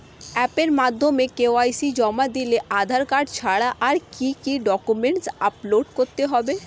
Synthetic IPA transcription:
ɛpeɾmad̪ʱːomekeoajsid͡ʑɔmad̪ileʔad̪ʱaɾkaɖt͡ɕʰaɽaʔaɾkikiɖɔkumeɳʈsaploɖkoɾt̪eɦɔbe

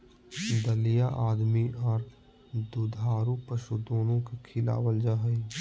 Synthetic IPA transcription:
d̪əlijaʔaːd̪miɔːɾ | d̪ud̪ʱaːɾupəʃud̪oːnõkekʰɪla̰ːwəld͡ʒaɦɛi

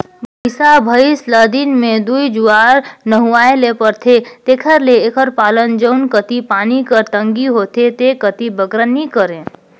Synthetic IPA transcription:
bəɪsabʱəisləd̪inmẽd̪uid͡ʒuaɾnəɦuaelepəɾt̪ʰet̪ekʰəɾleːkʰəɾpaːlənd͡ʒəʊnkət̪ipanikəɾt̪əŋɡiɦot̪et̪ekət̪ibəɡɾənikəɾẽ

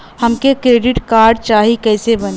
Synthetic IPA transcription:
həmkekɾeːɖɪʈkaːɾɖ̚t͡ʃaːɦikɛːsebəne

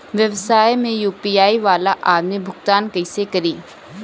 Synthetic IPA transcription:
ʋjəʋsaːemẽjuːpiːaːiːʋaːlaːʔaːd̪mibʱʊɡt̪aːnkəɪsekəɾiː

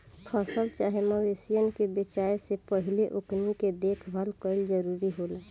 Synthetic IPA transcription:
pʰəsəlt͡ʃaɦeməwesijənkebet͡ʃaesepəɦileʔokniked̪ekʰbʱəlkəɪld͡ʒəɾuɾiɦolaː

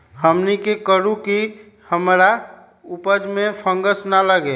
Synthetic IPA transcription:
həmnikekəɾuki | həmɾa | upəd͡ʒmepʰə̃ŋɡəsnaləɡe

